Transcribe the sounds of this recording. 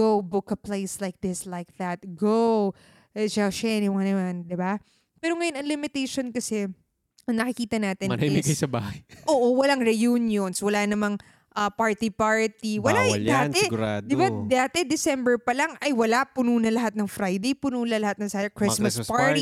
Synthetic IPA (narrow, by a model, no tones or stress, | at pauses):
ɡowbʊkɐplejslajk̚d̪ɪslajk̚ðɐt̪̚ɡow | ɛʃɛʃɛnɪwɐnɐmand̪ɪba | pɛːɾoŋɐjonɐŋlɪmɪt̪ejʃonkɐsɛ | ɐŋnɐkɪkiːt̪ɐnaːt̪ɪnɐnɐɪɡɐjsɐba̰ːhɐjʔʔoːʔowɐlaŋɾɛjunjonswɐlanɐmɐŋ | ʔɐpaɹt̪ipaɹt̪iwɐlad̪aːɛɡʊɾaːd̪d̪ɪbad̪aːt̪ɛd̪ɪsɛmbɛɹpɐlaŋʔɐjwɐlapʊnuːnɐlɐɦat̪̚nɐŋfɾajd̪ejpʊnuːlɐlɐhat̪nɐŋsaːjɐkɾɪsmɐspaɹt̪i